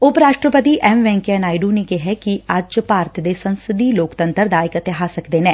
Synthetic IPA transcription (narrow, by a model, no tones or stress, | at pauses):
ʊpɾaːʃʈɾəpət̪iʔɛmʋɛ̃ːŋkɛnaːɪɖunekeɦɛkiɐd͡ʒd͡ʒpaːɾt̪ʰd̪esɐ̃nsɪd̪iloːkt̪ə̃nt̪əɾd̪aːɪkɪt̪ɪɦaːsɐkd̪eːnɛ̃ː